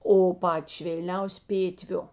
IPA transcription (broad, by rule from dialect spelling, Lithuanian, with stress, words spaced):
oː ˈpɑːtʲɪ ʃʲʋʲeːlʲˈnʲɛʊsʲɪ ˈpʲeːtʲʋʲʊ